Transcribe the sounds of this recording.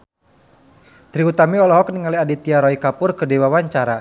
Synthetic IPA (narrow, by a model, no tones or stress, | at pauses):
t̪ɾiut̪amiɔlɔɦɔk̚niŋaliadit̪iaɾɔikapʊrkədewawaɲt͡ʃaɾa